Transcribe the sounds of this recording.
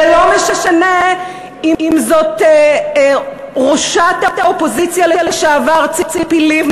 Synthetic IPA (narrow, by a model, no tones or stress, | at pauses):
elo̞meʃaʃane | iimzo̞t | ʁoʃat̪ataopozit͡sjalejaleʃaavaʁt͡sit͡sipiliv